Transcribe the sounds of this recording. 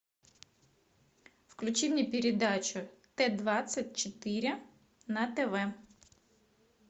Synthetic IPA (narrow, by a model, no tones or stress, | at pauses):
wklʲʊt͡ʃiwnʲipʲɪɾʲed̪ɑt͡ʃʲʊt̪ɛd̪ʋɑt͡ssʲɐtʲt͡ʃot̪ɪɾʲɐ | nɐt̪eʋɛ